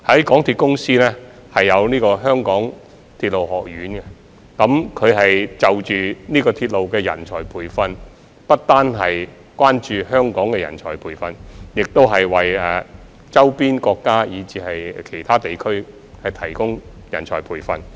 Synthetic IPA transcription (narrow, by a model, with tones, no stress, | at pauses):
hɐ˨˥jkɔː˨˥ŋt̪ʰiː˧t̚kʊ˥ŋsiː˥lɛː˥ | hɐ˨jːɐ˨˧wniː˥kɔː˧ɦœː˥ŋkɔː˨˥ŋ | t̪ʰiː˧t̚lo˨wɦɔː˨k̚jyː˨˥nkɛ˧ | kɐ˨˧˥mkʰɵ˨˧ɥɦɐ˨jt͡sɐ˨wt͡ʃyː˨niː˥kɔː˧t̪ʰiː˧t̚lo˨wkɛː˧jɐ̰˨˩nt͡ʃʰɔ̰ː˨˩jpʰuː˨˩jfɐ˧n | pɐ˥t̚t̪aː˥nɦɐ˨j | kwaː˥nt͡ʃyː˨ɦœː˥ŋkɔː˨˥ŋkɛ˧jɐ̰˨˩nt͡ʃʰɔ̰ː˨˩jpʰuː˨˩jfɐ˧njɪ˨k̚t̪o˥wɦɐ˨jwɐ˨jɛː˨˧ | t͡sɐ˥wpiː˥nkɔː˧kːaː˥jiː˨˧t͡siː˨˧hɐ˨jkʰe˨˩jt̪ʰaː˥t̪e˨jkʰɵ˥ɥ | hɐ˨jt̪ʰɐ˨˩jkʊ˥ŋ | jɐ˨˩nt͡ʃʰɔː˨˩jpʰuː˨˩jfɐ˧n